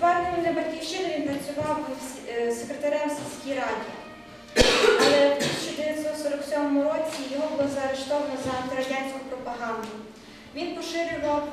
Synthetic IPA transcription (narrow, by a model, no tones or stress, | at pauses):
t̪ʋɑɾnɔmɪnɛbɐtʲkʲiwʃt͡ʃɪnɪʋʲinpɾɐt͡sʲʊʋɑw | sekɾet̪ɐɾɛmsʲisʲkʲijɾɑdʲi | ɐlˠɛt̪ʲisʲi̥t͡ʃɔd̪eʋʲjɐt̪sɔt̪sɔɾɔksʲɔmɔmʊɾɔt͡sʲijɔɦɔbˠzɐɐɾeʃt̪ɔʋɐnɔzɐɐt̪iɾɐʒjʲanʲsʲkʊpɾɔpɐɦɑnd̪ʊ | ʋʲinpɔʃɪɾʲʊʋɐw